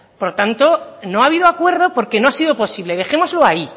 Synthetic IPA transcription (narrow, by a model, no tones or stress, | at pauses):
po̞ɾt̪ant̪o̞no̞aβ̞iðoakwe̞ɾðo̞po̞ɾke̞no̞asiðo̞po̞siβle̞ðe̞xe̞mo̞zloai